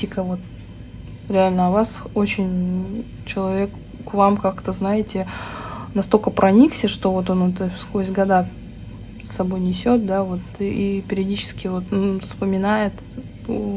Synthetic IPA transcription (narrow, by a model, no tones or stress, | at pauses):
tʲɪkəvo̞t̪̚ | ɾʲɪalʲnəɐvaso̞t͡ɕɪnʲ | t͡ɕɪlˠɐvʲe̞k | kvamkakt̪əznajɪtʲɪ | nɐst̪o̞lʲkəpɾʔɐnʲiksʲəʂt̪o̞vo̞t̪o̞nɛt̪əfskozʲɡɐd̪a | sːɐbo̞jnʲɪsʲo̞t̪̚d̪avo̞t̪ipʲɪɾʲɪɐdʲit͡ɕɪ̥skʲɪvo̞t̪fspəmʲɪnajɪt̪